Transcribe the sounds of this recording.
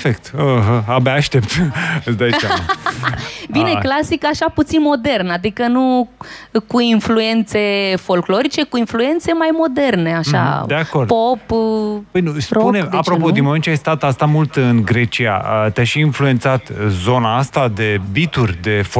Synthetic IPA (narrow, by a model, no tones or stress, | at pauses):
fek̚t̪əɦəabaːʃt̪e̞pt̪ɨsd̪ajaa | vine̞klasikaʃaput̪sinmo̞d̪e̞rnad̪ikənu | kuinflue̞nt̪se̞fo̞lklo̞ɾit͡ʃe̞kuinflue̞nt̪se̞majmo̞d̪e̞rne̞aʃa̰d̪eakord̪popbəjnuspuneapɾopod̪inmoment͡ʃajst̪at̪ast̪amult̪ɨnɡɾe̞t͡ʃia̰ət̪eaʃiinflue̞nt̪sat̪zo̞naast̪ad̪e̞bit̪urʲd̪e̞f